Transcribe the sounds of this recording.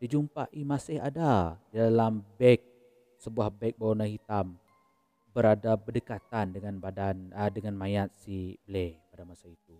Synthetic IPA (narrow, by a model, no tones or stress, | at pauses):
did͡ʒumpa̰ʔimasɪhadadalambɛk̚ | səbuahbɛk̚banahit̪am | bəɾadabədəkat̪andəŋanbadanədəŋanmajat̪̚sibəlepadamasait̪u